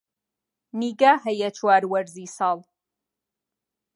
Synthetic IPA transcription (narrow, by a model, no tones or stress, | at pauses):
niɡaħajat͡ʃʷʰwarwarzisal